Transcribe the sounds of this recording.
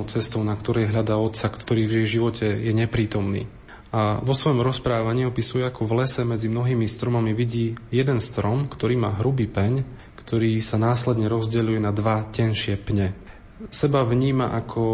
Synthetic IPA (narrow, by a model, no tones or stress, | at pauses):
ʊt͡sɛst̪ɔʊnakt̪ɔɾɛjɦʎad̪aːɔt̪sakt̪ɔɾiːvɛʒiʋɔcʰɛjɛɲɛpɾiːt̪ɔmnḭː | aʋɔsʋɔjɔmɾɔspɾaːʋaɲiːɔpisujɛakʰɔvlɛsɛmɛd͡zimnɔɦiːmist̪ɾɔmamiʋiɟiːjɛd̪ɛnst̪ɾɔmkt̪ɔɾiːmaːɦɾubiːpɛɲ | kt̪ɔɾiːsanaːslɛd̪ɲɛɾɔzɟɛʎujɛnad̪ʋacɛnʃɪɛpɲɛ | sɛbaʋɲiːma̰ʔakʰɔ